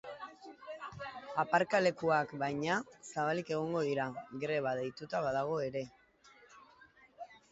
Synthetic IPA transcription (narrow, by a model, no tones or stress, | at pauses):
apaɾkale̞kuakbajɲasaβalike̞ɣ̞o̞ŋɡo̞ðiɾaɣɾe̞β̞aðejt̪ut̪aβaðaɣ̞o̞e̞ɾe̞